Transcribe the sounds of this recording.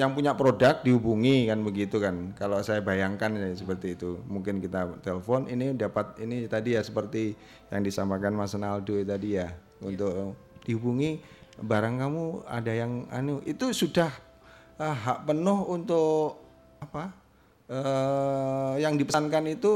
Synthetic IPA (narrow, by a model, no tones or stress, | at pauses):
jaŋpuɲapɾodak̚diɦubuŋikanbəɡit̪ukankalosajabajaŋkansəpərt̪iːt̪umuŋkɪnkit̪at̪eləfɔninidapat̪̚init̪adijasəpərt̪i | ja̰ŋdisampakanmasənaldot̪adija | ṵnt̪ʊk | d̥iɦubuŋibaɾaŋkamua̰dajaŋa̰nuit̪usudah | əɦaʔpənʊhunt̪ʊʔ | apa | ə | jaŋdipəankanit̪u